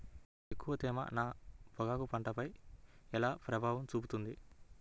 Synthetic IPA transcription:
ekːuʋɐt̪ɛːmɐ̰naːpɔɡaːkupɐɳʈɐpɐjɛlaːpɾɐbʱaːʋɐmt͡ʃuːput̪und̪i

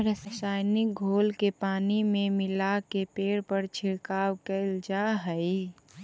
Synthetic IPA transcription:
ɾəssaːjnɪk̚ɡʱoːlkepaːnimẽmɪlakepeːɽpəɾt͡ʃʰɪɽkaːwkəɪld͡ʒaɦəi

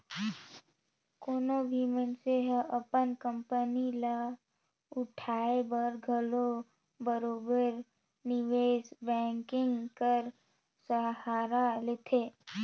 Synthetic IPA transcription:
koːnobʱimənseɦʔəpənkə̃mpənila | ʊʈʰaːebəɾɡʱəlo | bəɾoːbəɾ | nɪʋeːsbɛ̃ːŋkɪ̃ŋɡkəɾ | səɦaːɾalɪt̪ʰeː

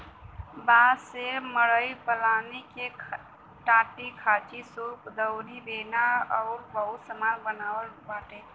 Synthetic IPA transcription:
baːseməɽəipəlaːneke | ʈãːʈikʰaːt͡ʃisoːkd̪əwɾibeːnaɔːɾbəɦusəmanbənaːwəlbaːʈe

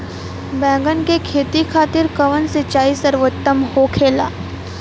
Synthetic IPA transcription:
bɛ̃ːŋɡənkekʰeːt̪ikʰaːt̪ɪɾkəʋənsɪt͡ʃaːisəɾʋot̪ːəmhoːkʰeːla̰ː

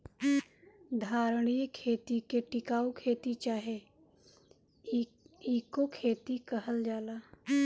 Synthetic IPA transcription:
d̪ʱaːɾɽ̃ijkʰeːt̪ikeʈɪkaːukʰeːt̪it͡ʃaːɦe | iːkokʰeːt̪ikəɦəld͡ʒaːlaː

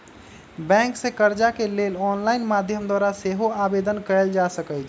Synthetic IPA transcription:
bɛ̃ŋksẽkəɾd͡ʒakelelɔnlaɪnmad̪ʱjəmd̪waɾaseɦoabed̪ənkəɛld͡ʒasəkət͡ʃʰ

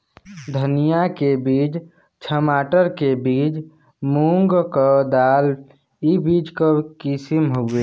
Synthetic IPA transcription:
d̪ʱənijakebiːt͡ʃ | t͡ʃʰəmaːʈəɾkebiːt͡ʃ | muŋɡkɔd̪aːl | ibiːd͡ʒkəkisimɦoe

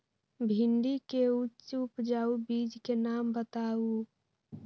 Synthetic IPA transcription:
bʱiɳɖikeut͡ʃupd͡ʒaubiːd͡ʒkenaːmbət̪au

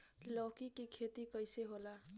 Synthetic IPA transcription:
lɔkikikʰet̪ikəjseɦola

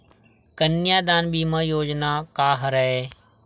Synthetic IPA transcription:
kɐnɪjaːd̪aːnbiːmãjoːd͡ʒnaːkaːɦəɾɐeː

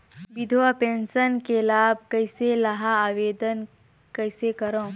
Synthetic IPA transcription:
ʋɪd̪ʱoapẽːnʃənkelaːb̚ʱkɐɪselɐɦaaːʋeːd̪ən | kɐɪsekɐɾõː

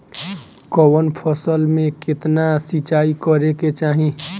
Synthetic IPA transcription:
kɔwənpʰəsəlmẽkɪt̪nasit͡ʃaːikəɾeket͡ʃaːɦĩ

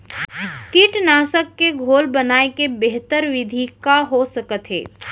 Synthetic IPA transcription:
kɪʈnaːʃəkːeɡʱoːlbənaːekebeɦt̪əɾʋɪd̪ʱikaɦosəkət̪ɦḛː

